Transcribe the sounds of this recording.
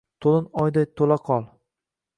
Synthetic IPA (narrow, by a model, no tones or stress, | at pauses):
t̪ʰolɪnɒjd̪ajt̪ʰolaqʰɒlˠ